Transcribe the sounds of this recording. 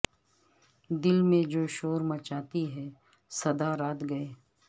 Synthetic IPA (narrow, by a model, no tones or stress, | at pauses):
d̪ɪlmẽd͡ʒoːʃoːɾmɐt͡ʃaːt̪iɦɛ | sɐd̪aɾaːt̪ɡɐeː